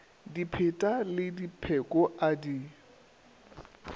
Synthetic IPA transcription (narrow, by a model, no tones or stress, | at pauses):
dipʰɪtʼalɪdipʰɛkʼɔʔadi